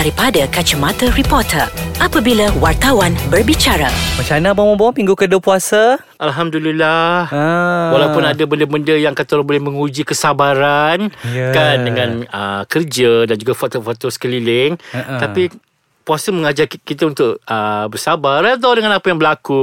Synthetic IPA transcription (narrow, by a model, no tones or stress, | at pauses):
daɾipadakat͡ʃəmãt̪əɾipɔt̪ʰəʔapabilawart̪awanbərbit͡ʃaɾa̰mət͡ʃanabamə̃bɔpiŋɡukədupuasa | ʔalɦamdulilahwalawpʊnadabəndəbəndəjaŋkat̪ɔɾbolɛhmə̃ŋud͡ʒikəsabaɾankandəŋãnə̰kərd͡ʒədand͡ʒuɡafat̪ofot̪osə̥kəlilɪŋt̪api | puasəməŋad͡ʒarkit̪aunt̪ʊʔəbərsabarat̪̬awdəŋanapajaŋbəlaku